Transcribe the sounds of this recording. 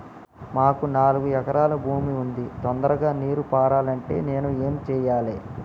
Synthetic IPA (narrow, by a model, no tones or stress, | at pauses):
maːkunaːluɡujɛkɐɾaːlɐbʱuːmiund̪it̪ɔnd̪ɐɾɐɡaːniːɾupaːɾaːlɐɳʈe̞̰ːne̞ːnueːmt͡ʃɛːjaːleː